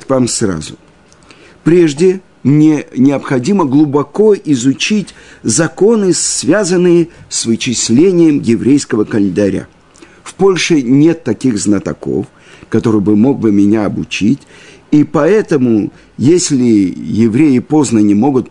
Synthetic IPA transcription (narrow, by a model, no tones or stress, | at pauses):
tvamsra̰zʊ | pɾʲe̞ʐdʲɪ | mnʲenʲɪɐpxɐdʲiməɡlˠʊbɐko̞ʔɪzʊt͡ɕitʲ | zɐko̞nɨsvʲazənːɨjəsvɨt͡ɕɪsʲlʲenʲɪjəmjɪvɾʲejskəvəkəlʲɪnd̪ɐɾʲa̰ | fpo̞lʲʂɨnʲe̞t̪ːɐkʲiɣznət̪ɐ̰ko̞̰f | kɐt̪o̞ɾɨjbɨmo̞ɡ̚bɨmʲɪnʲaɐbʊt͡ɕitʲ | ipɐɛt̪əmʊ | jesʲlʲɪjɪvɾʲejɪpo̞znənʲɪmo̞ɡʊt̪